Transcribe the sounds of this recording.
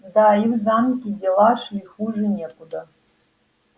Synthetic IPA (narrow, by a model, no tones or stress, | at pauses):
d̪aiwzamkʲʼidʲelaʂiχuʐɨnʲekʷʼud̪a